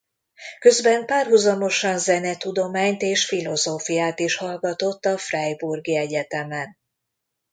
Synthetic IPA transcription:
kø̞zbɛmpaːrɦuzɒmo̞ʃɒnzɛnɛt̪ud̪o̞maːɲt̪eːʃfilo̞zoːfijaːt̪iʃhɒlɡɒt̪o̞t̪ːɒfrɛjburɡiɛɟɛt̪ɛmɛn

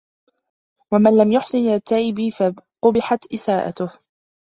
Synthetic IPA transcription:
wamanlamjʊħsˤɨnɪlat̪ːaʔɪbiːfaqʊbɪħat̪ʔɪsaːʔa̰t̪ʊh

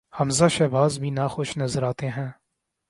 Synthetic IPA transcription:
hɐmzaʃɛːbʱaːzbʱĩːnaxʊʃnɐzəɾaːt̪eɦɛ̃ː

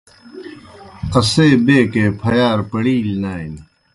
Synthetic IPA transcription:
qɐseːbeːkeːpʰɐjaːɾpɐɽiːlnaːin

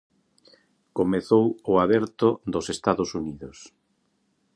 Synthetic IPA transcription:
komeθowʊaβɛɾt̪ʊd̪osest̪aðʊsuniðʊs

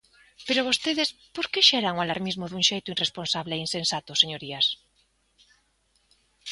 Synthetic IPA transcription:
peɾoβ̞ost̪eðespoɾkeʃeɾaŋualaɾmizmʊðuŋʃejt̪ʊinresponsaβleinsensat̪ʊseɲoɾias

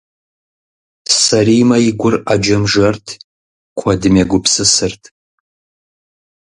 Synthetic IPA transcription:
saɾimɐiɡʷʊrad͡ʒɐmʐɐrtʰ | kʷʰadɨmʲaɡʷʊpʰsɨsɨrtʰ

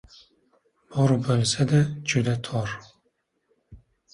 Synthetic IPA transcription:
bɔɾubɔlsɛd̪ɛt͡ʃud̪ɛt̪ʰɔɾ

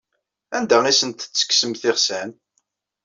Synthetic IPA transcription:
ænd̪æisənt̪t͡sːə̥ksəmθɪʁsæn

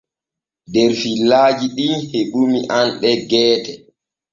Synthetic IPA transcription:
dɛɾfilːaːd͡ʒiɗiheɓumiʔanɓɛɡɛːtɛ

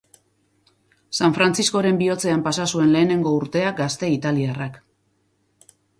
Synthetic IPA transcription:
saɱfɾant͡sisko̞ɾe̞mbio̞t͡se̞ampasasue̞nle̞ːne̞ŋɡo̞uɾt̪e̞aɡast̪e̞it̪aliarak

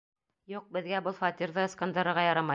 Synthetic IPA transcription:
juq̚bɘ̆ðɡæbɤlˠfɑt̪ʲiɾðɤɤ̆skɑnd̪ɑɾɤ̆ɾʁɑjɑɾɑmɑ

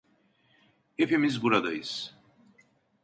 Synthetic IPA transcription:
efemiz̬buɾad̪ajis

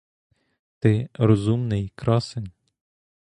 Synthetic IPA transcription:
t̪ɪɾɔzumnɪjkɾɑsenʲ

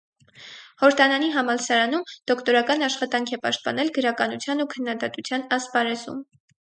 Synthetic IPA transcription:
χɔɾt̪ɑnɑniɦɑmɑlsɑɾɑnumd̪̥ɔkʰt̪ɔɾɑkɑnɑʃχɑt̪ɑŋkʰɛpɑ̰ʃt̪̚pɑ̰nɛlɡəɾɑkɑnut͡sʰjɑnukʰənːɑd̪ɑt̪ut͡sʰjɑnɑspɑɾɛzṵm

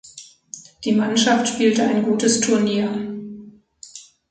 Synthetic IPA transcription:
d̥iːmanʃaftʃpiːltəaɪnɡuːtəstʰʊɐniːɐ

